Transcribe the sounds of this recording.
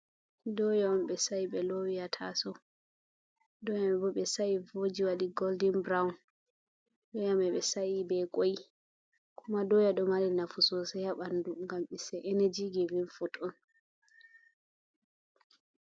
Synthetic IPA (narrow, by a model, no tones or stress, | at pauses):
dɔjaɔmɓɛsaiɓɛlowijatʰa̰sɔ | dɔjamɛbɔɓɛsaivod͡ʒiwaɗiɡɔldinbɾawun | dɔjamɛɓɛsaibɛkʼoji | kumadɔjaɗɔmalinafusɔsɛjaɓanduŋɡamisɛʔenɛd͡ʒiɡɛvinfutɔn